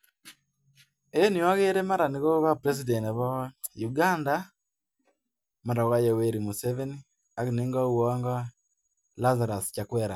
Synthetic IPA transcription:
eniwaɣeɾemaɾaniɣoɣapɾes̬idɛntaβajuɡanda | maɾaɣajɛweɾimusɛveni | aɣeneŋɡauwɔŋɡa | lazaɾast͡ʃakwɛɾa

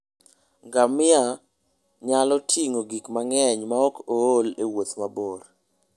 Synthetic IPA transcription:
ɡamɪa | ɲalɔtʰiŋoɡikmaŋɛɲmaɔkoolewot̪maboɾ

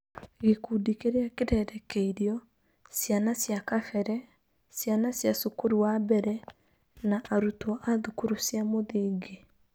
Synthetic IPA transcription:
ɣekudikeɾeakeɾɛɾɛkeiɾjɔ | sjanasjakafɛɾɛ | sjanasjasukuɾuwabɛɾɛ | naʔaɾutɔʔaðukuɾusjamoðiːɡe

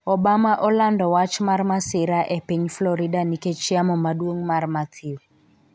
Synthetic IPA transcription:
ɔbamaʔɔlandɔwat͡ʃmarmasɪɾaʔepeɲflɔɾidaniket͡ʃiamɔmaɗwoŋmarmat̪ʰiw

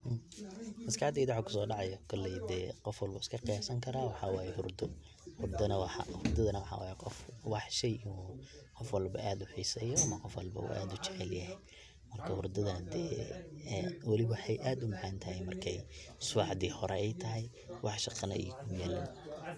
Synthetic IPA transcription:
mɐskɐħɑd̪id̪aħakʰʊ̥sɔːɖɑʕɑjɔkʰɔlːɛjd̪ɛːqɔfwɐlbuɪskʰɐqijaːsɐŋkʰɐɾaːwɑħɑwɑːjɛhʊrd̪ɔ | hʊrd̪ɐnɐwɑħɑ̰hʊrd̪ɐðɐnɐwɑħɑ̰wa̰ːjɛqɔfwɑħʃɛjʔɪnuː | qɔfwɐlbɐ̰aːd̪ʊħiːsɛːjɔɐmɐqɔfwɐlbɐ̰ṵːʔa̰ːd̪ʊt͡ʃɛʕɛljɐɦɛj | mɐrkʰɐhʊrd̪ɐðɐnɐd̪ɛː | wɐlɪβħɛjʔaːd̪ʊmaʕaːnt̪ʰɐhɛjmɐrkʰɛjsʊħd̪iːhɔɾɛɛjt̪ʰɐɦɛj | wɑħʃɑqɑnɐ̰ʔḭːkʰʊjæːlɐn

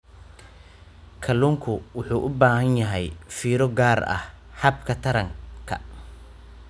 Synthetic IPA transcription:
kʰɐluːŋkʰʊwʊħuːʔʊbaːhɐnjɐɦɛjfiːɾɔɡaːrɐ̰h | hɐbkʰɐt̪ʰɐɾɐŋkʰɐ̰

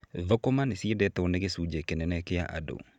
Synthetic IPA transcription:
ðɔkɔmanɪsiedɛt̪ɛonekesud͡ʒɛkenɛnɛkɪjaʔa̰do̰

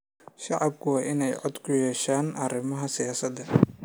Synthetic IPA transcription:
ʃɑʕɑbkʰʊwɑːʔɪnɛjʕɔd̪kʰʊjɛːʃaːnʔɐrɪmɐɦɐsɪjaːsɐd̪ɐ

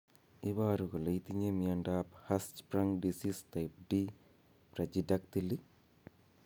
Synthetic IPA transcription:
iʋaːɾukulɐjt̪iɲemiɐɳɖaːphɐst͡ʃpɾɐŋɖisist̪ɐjp̚ɖi | pɾɐd͡ʒidɐk̚t̪ili

